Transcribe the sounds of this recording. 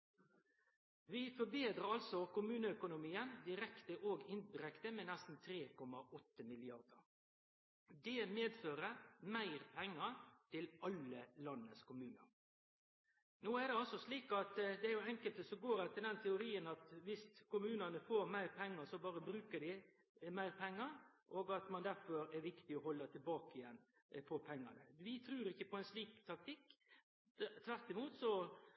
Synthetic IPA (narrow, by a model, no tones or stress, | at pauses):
ʋɪfɔbeːd̪ɾəɾɑlsɔkʊmʉːnəœkʊnʊmiːənd̪ɪɾɛkt̪əʔoːɡɪnbɾɛkt̪əmɛnɛst̪n̩t̪ʰɾeːkʰɔmːɑʔɔt̪ːəmɪlɪɑʁd̪əɾ | d̪ɛːmeːd̪føːʁəmæɪʁpʰɛŋːəɾt̪ʰɪlɑləlɑnːəskʰʊmʉːnə̰ɾ | noːæd̪ɛɑlsɔsliːkɑt̪d̪ɛæɾjʊɛŋkəlt̪əsɔɡoːɾɛt̪əd̪ɛnt̪ʰɛʊɾiːənɑt̪ʋɪskʊmʉːnənəfoːɾmæɪɾpʰɛŋːəɾsɔbɑːɾəbɾʉːkəd̪ɪ | mæɪɾpʰɛŋːəɾʔoːɡɑt̪mɑnd̪æɾfɔɾæɾʋɪkt̪ɪɔɦɔlːət̪ʰɪlbɑːkɪjɛnː | pʰɔpʰɛŋːɑ̰nəʋɪt̪ʰɾʉːɾɪçːəpʰɔɛnsliːkt̪ʰɑk̚t̪ʰɪkː | t̪ʰʋæɾt̪ɪmuːt̪sɔ